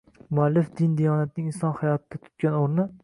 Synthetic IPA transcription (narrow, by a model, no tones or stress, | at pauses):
mʊalːɪfd̪ɪnd̪ijɒːnat̪̚nɪŋʲɪnsɒnhajɒt̪ʰɪd̪at̪ʰʊ̥t̪̚kʲanoɾnɪ